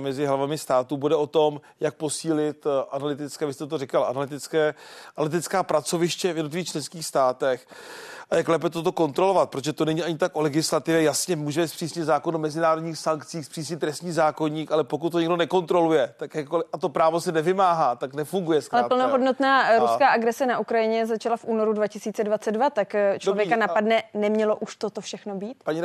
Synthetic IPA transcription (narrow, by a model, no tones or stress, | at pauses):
mɛzɪɦlavamɪst̪aːt̪ubudɛʔo̞t̪o̞m | jak̚po̞siːlɪt̪ʔanalɪt̪ɪt͡skɛːvɪst̪ɛt̪orɪkalʔa̰nalɪt̪ɪt͡skɛːanalɪt̪ɪt͡skaːpɾat͡so̞vɪʃcɛvjɛdnot̪̬lɪvixt͡ʃlɛnskiːxst̪aːt̪ɛxʔajaklɛːp̬ɛt̪ot̪o̞ko̞nt̪ɾo̞lo̞vat̪̚pɾot̪oʒɛt̪onɛɲiːaɲɪt̪akʔo̞lɛɡɪslat̪ɪvjɛjasɲɛmuːʒɛmɛspr̥iːsɲɪt̪zaːko̞numɛzɪnaːɾo̞dɲiːxsaŋkt͡siːxspr̥iːsɲɪt̪ːɾɛst̪ɲiːzaːko̞ɲiːkalɛpok̬ut̪̚ːoɲɛɡdonɛko̞nt̪ɾo̞lujɛt̪akjɛakolɪʔat̪o̞pɾaːvosɛnɛvɪmaːɦaːt̪aknɛfuŋɡujɛskalɛaːpl̩noɦodnot̪naːɾuskaːʔaɡɾɛsɛnaʔukɾajɪɲɛzat͡ʃalafʔuːno̞ɾudvacɪsiːt͡sɛdvat͡sɛdvat̪akt͡ʃlovvjɛkanapadnɛnɛmɲɛlo̞ʔuʃt̪ot̪ofʃɛxnobiːt̪paɲi